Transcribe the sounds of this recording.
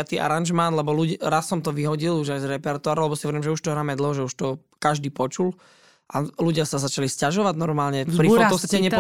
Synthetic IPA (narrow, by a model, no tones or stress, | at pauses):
at̪iːʔa̰ɾanʒmaːnlɛbɔluɾasːɔmt̪ɔʋiɦɔɟiluʒajzɾɛpɛɾt̪ʊaːɾalɛbɔsiɔʋɛɾiːmʒɛuʃt̪ɔɦɾaːmɛd̪l̩ˠɦɔʒɛuʃt̪ɔ | kaʒd̪iːpɔt͡ʃul | ʔaluɟɪasazat͡ʃaliscaʒɔʋaɟnɔɾmaːlɲɛpɾiɔsaɛɲɛp